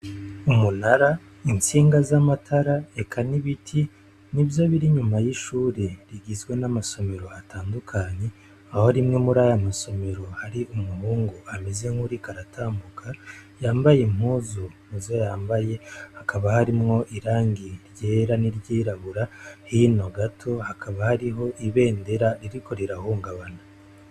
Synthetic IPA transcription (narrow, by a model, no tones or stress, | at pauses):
umunaɾa | int͡siːŋɡazamatʰaɾae̞kʰaniβitʰi | nibjo̞βiɾiɲumajiʃuːɾe̞ɾiɡizɡwe̞namaso̞me̞ɾo̞atʰaːndukʰaɲe̞ | aho̞ɾimŋe̞muɾaːjamaso̞me̞ɾo̞haɾiʔumuhuːŋɡuʔame̞ze̞ŋhuɾikaɾatʰaːmbukʰajaːmbajem̥huːzunuzojaːmbaje̞hakʰaβahaɾimŋo̞ʔiɾaːŋɡiɾje̞ːɾaniɾɟiːɾaβuɾahino̞ɡatʰo̞hakʰaβahaɾiɦo̞ʔiβe̞ːnde̞ɾaɾiɾikʰo̞ɾeɾahuːŋɡaβana